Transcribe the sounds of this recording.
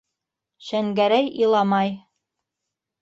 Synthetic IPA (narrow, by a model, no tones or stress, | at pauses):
ʃæŋɡæɾæjilˠɑmɑj